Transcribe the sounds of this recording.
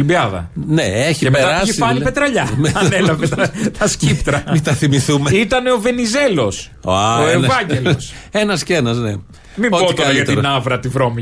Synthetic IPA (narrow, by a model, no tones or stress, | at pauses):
libiɐðɐ̰neeçieet̪ɐɾɐsifɐnipet̪ɾɐʎɐmeɐnelɐveɐt̪ɐscipt̪ɾɐmit̪ɐθimiθumeit̪ɐne̞o̞ve̞nize̞lo̞s | aoenvɐɲɟelse̞nɐsceenɐzne̞ | miooit̪oɐɾɐjɐt̪eiɾnɐvɾɐt̪ivɾomi